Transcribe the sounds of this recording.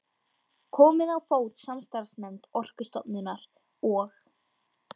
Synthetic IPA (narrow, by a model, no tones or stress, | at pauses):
kʰɔːmɪðawfoːwt̪samst̪aɾsmɛnt̪ɔr̥kʏst̪ɔt̪nɪnaɾ | ɔx